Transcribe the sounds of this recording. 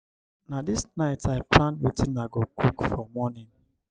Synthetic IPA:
nadisnaɪtʰaɪplãnwetĩnːaɡokʰukfɔmɔnĩn

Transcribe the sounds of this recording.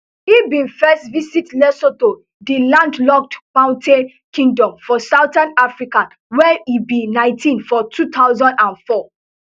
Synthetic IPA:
ibĩnfɛstvisitlɛsoto | dilãndlɔk̚tmãʊ̃ntʰẽn | kʰĩŋdɔ̃mfɔsawtãnafɹikãn | wɛibinãɪ̃ntʰĩnfɔtʰut̪ʰawzɔ̃ndãnfɔ

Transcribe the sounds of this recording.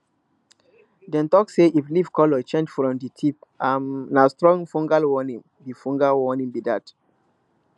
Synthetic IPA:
dɛ̃ntɔkseʔiflivkɔlɔt͡ʃɛ̃nd͡ʒfɹɔ̃mditʰipamnastɹɔ̃ŋfɔ̃ŋɡalwɔnĩŋ | bifɔ̃ŋɡalwɔnĩŋbidat

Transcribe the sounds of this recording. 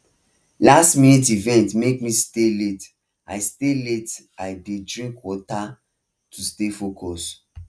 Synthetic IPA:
lastminit̬ivɛ̃ntmekmistelet | a̰ɪstelet | aɪbidɹĩŋkwɔta | tustefokʰɔs

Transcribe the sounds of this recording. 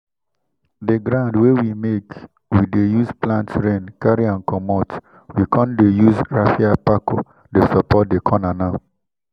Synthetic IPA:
dəɡɾãʊ̃ndwewimek | widejuzplãntɹẽnkaɹiãnkɔmɔt | wikʰɔ̃ndejuzɹafiapako | desɔpɔt̚dekʰɔnanaʊ

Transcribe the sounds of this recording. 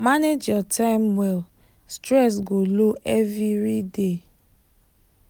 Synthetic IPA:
maned͡ʒjɔtʰaɪmwɛl | stɾɛs̬ɡoloʔɛviɾide

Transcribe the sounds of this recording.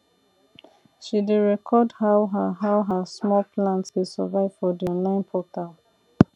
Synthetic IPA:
ʃideɹɛkʰɔdhaʊɦaɦawɦəsmɔlpʰlãntswesəvaɪv̥fɔdiɔ̃nlãɪ̃npʰɔtalˠ

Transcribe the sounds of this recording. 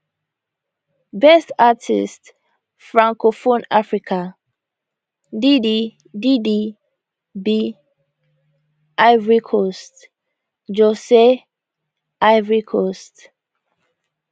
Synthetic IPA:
bɛstatʰḭst | fɹãŋkofonafɹikʰa | di | didi | bi | ʔaɪvɹikʰɔst | d͡ʒɔse | aɪvɹikʰɔst

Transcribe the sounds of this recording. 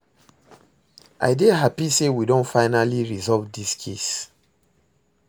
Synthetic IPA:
ʔa̰ɪdeɦapisewidõntfaɪnaliɹizɔlvdiskʰḛs

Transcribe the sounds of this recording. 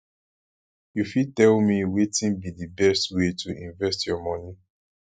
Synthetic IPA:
jufid̚tɛlmiwetĩnbiðibɛstwetuĩɱvɛstjɔmɔni

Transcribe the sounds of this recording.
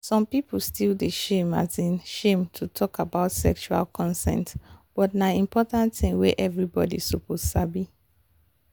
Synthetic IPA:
sɔ̃mpip̩ʰstildeʃẽma̰zĩnʃẽmtʰutʰɔkabaʊtsɛ̰kt͡ʃua̰lkʰɔ̃nsɛ̰̃ntb̥ɔtnaĩmpʰɔtãntθĩŋweʔɛvɹibɔ̰dḭsupozsabi

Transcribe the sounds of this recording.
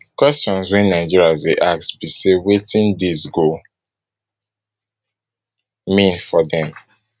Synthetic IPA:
kwɛst͡ʃɔ̃nswɛ̃nːaɪd͡ʒiɹiazdeʔaksbisewetĩndezɡo | mĩnfɔdɛ̃m

